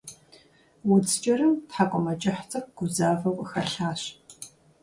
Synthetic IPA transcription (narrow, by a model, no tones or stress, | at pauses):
wʊd͡zt͡ʃʼɐrɨmtħakʷʼɔmɐt͡ʃʼɐħt͡sʼɐxɡ̥ʷʊzaːfɐwʷʼɨxɐɬaːɕ